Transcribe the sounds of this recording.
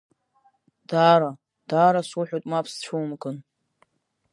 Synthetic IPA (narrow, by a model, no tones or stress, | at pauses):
d̥aːɾa | d̥aːɾasuħʷᶣotʼmapʰst͡ɕʷʰuwmkʼɨn